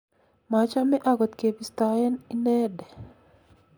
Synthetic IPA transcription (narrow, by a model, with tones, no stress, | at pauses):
ma˨t͡ʃa˦mɛ˦ʔa˨ɡɔ˨t̪ke˨bi˨st̪a˨jɛ˦ni˦nɛ˦dɛ˨